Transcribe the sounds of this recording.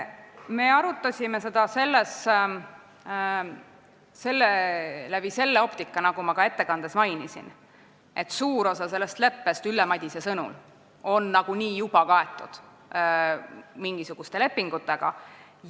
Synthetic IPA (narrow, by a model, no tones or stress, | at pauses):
me̞ːɑɾut̪ːˑɑsʲime̞se̞d̪̥ɑse̞lːes | se̞lːelæb̥ise̞lːeo̞pt̪ikːɑnɑɡ̥umɑkɑe̞t̪ːe̞kɑnd̪̥e̞smɑjnisḭn | ʔe̞t̪ːsuːɾo̞sɑse̞lːe̞st̪le̞pːe̞st̪ylːemɑd̪̥ʲise̞sɤnṵl | o̞nːɑɡ̥uniːjub̥ɑkɑe̞t̪ːˑud̪̥ | miŋɡ̥isuɡ̥ust̪e̞le̞pːiŋɡ̥ut̪ːˑe̞ɡ̥ɑ̰